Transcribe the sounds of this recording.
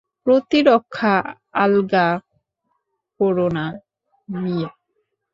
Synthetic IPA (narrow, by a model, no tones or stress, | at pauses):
pɾot̪iɾokʰːa | alɡa | koɾona | nije